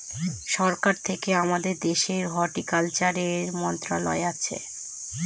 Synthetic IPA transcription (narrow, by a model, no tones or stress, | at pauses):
ʃɔɾkaɾt̪ʰekeamad̪eɾd̪eʃeɾɦɔʈikalt͡ɕaɾeɾmɔnt̪ɾalɔ̰eat͡ɕʰḛ